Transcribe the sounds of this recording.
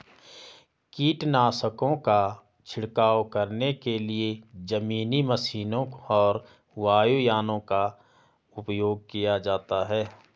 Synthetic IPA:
kiːʈnaːsəkõka | t͡ʃʰɪɽkaːwkəɾnekelied͡ʒəmiːniməsiːnõɔːɾ | ʋaːjujaːnõka | ʊpjoːɡ̚kijad͡ʒaːt̪aɦɛː

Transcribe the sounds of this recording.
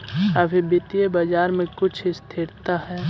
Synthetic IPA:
abibɪt̪ijebad͡ʒaːɾmẽkʊt͡ʃʰɪst̪ʰɪɾt̪aɦɛː

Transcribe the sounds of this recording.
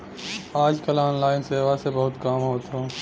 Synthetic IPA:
aːd͡ʒkəlaːnlaːɪnseːʋasebɐɦʊt̪kaːmɦoːt̪ɦoː

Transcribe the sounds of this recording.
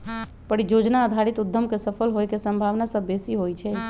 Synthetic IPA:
pəɽid͡ʒod͡ʒnaəd̪ʱaɾit̪ud̪ʱːəmkesəpʰəlɦojkesəmbʱaʋnasəbːesiɦojt͡ʃʰɛ

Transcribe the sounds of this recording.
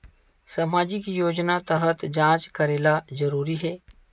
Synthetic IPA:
sɐmaːd͡ʒikijoːd͡ʒnat̪əɦət̪d͡ʒãːt͡ʃkɐɾeːlazɐɾuːɾiɦɛː

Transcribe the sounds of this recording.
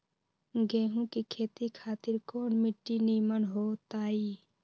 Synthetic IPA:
ɡeːɦũkikʰeːt̪ikʰaːt̪ɪɾkoːnmɪʈːiniːmənɦoːt̪aːiː

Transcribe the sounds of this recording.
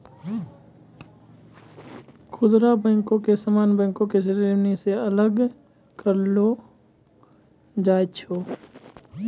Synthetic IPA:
kʰʊd̪ɾabə̃ːŋkõkesəmaːnbə̃ːŋkõkesəɾiniseələɡ | kəɾlo | d͡ʒaːt͡ʃʰoː

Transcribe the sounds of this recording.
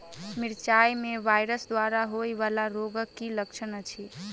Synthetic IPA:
miɾt͡ʃajmebajɾəsd̪waɾaɦojbalaɾoɡəkːiləkt͡ʃʰənət͡ʃʰi

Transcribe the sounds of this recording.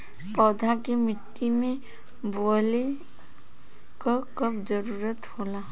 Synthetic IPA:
pɔːd̪ʱakemɪʈːimẽ | bole | kakɐbd͡ʒəɾuːɾət̪hoːla

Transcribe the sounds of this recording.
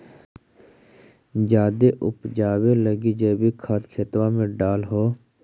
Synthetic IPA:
d͡ʒaːd̪eʔʊpd͡ʒaːweləɡid͡ʒeːbikʰaːt̪kʰeːt̪wamẽɖaːlɦoː

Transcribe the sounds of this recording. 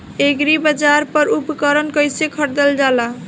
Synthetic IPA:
eɡɾibəd͡ʒaɾpəɾupkəɾənkəjsekʰəʈ̚d̪eld͡ʒala

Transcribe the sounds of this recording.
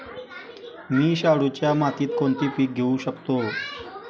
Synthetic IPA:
miːɕaɽut͡ɕjamat̪iːt̪koɳt̪iːpiːk̚ɡʱeũɕəkt̪o

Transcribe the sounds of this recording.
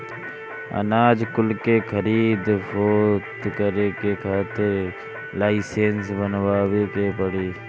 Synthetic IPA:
ə̰naːd͡ʒkʊlkeːkʰəɾiːd̪foːt̪kəɾeːkeːkʰaːt̪ʰe | laːɪseːnsbənʋaːʋeːkeːpəɽiː

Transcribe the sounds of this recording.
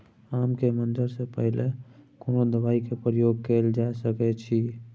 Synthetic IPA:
amkemənd͡ʒəɾsepəɦlekoːnod̪əbaikepɾəjoɡ̚keld͡ʒaesəkɛt͡ʃʰi

